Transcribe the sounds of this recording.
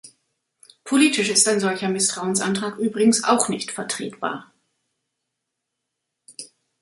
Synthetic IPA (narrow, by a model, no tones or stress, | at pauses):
pʰoliːtɪʃɪstaɪnzɔlçɐmɪstʁ̥aʊənsʔantʁ̥aːkʔyːbʁɪɡŋ̩sa̰ʊxnɪçtfɛɐtʁ̥ḛːtb̥a̰ːɐ